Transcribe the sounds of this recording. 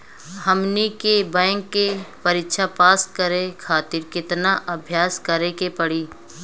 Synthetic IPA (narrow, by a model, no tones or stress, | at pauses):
həmnikebɛ̃ːŋkːepəɾɪkʃapaːskəɾekʰaːt̪ɪɾkɪt̪naʔɐbʱjaːskəɾekepəɽiː